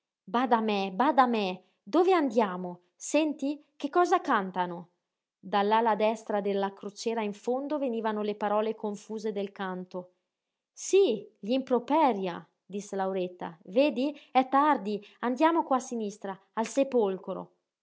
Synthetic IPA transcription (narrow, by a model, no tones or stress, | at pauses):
baːd̪amɛbad̪amɛ | d̪oveand̪jaːmo | sɛnt̪ikekːɔːzakant̪ano | d̪alːalad̪ɛst̪ɾad̪elːakɾot͡ʃɛːɾaiɱfond̪oveniːvanolepaɾɔːlekoɱfuːzed̪elkant̪o | siʎimpɾopɛɾja | d̪iselawɾet̪ːa̰veːd̪iɛt̪ːard̪iand̪jaːmokwasinist̪ɾaːlsepolkɾo̰